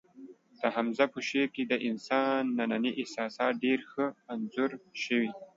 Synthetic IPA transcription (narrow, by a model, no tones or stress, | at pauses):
d̪̥əɦamzapəʃeɾked̪əʔɪnsɑnːananiʔɪhsɑːsɑːt̪̚ɖeɾxəmanzuɾʃəwi